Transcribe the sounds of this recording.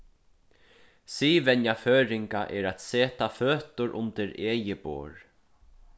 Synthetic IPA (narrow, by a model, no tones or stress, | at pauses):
siːvɛnjaføːɾɪŋkaʔɛɾat̪seːt̪aføːt̪ʊɾʔʊ̰nt̪ɪɾeːjɪpo̰ːɹ